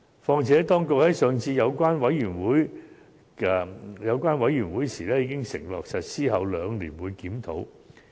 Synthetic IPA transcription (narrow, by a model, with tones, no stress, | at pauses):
fɔː˧ŋt͡sʰɛː˨˥t̪ɔː˥ŋkʊ˨k̚hɐ˨˥jsœː˨˧ŋt͡sʰiː˧jɐ˨˧wkʷwaː˥nwɐ˨˥jjyː˨˩nwuː˨˥j | jɐ˨˧wkʷwaː˥nwɐ˨˥jyː˨˩nwuː˨˥jsiː˨˩lɛː˥jiː˨˧˥kɪ˥ŋsɪ̰˨˩ŋlɔː˨k̚sɐ˨t̚siː˥ɦɐ˨˧wlœː˨˧ŋliː˨˩nwuː˨˧˦jkiː˨˥mt̪ʰo˨˥w